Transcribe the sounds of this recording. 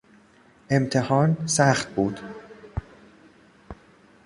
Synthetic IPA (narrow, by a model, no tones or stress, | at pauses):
ʔe̞mt̪ʰehɒːnsæːχt̪̚buːd̪̥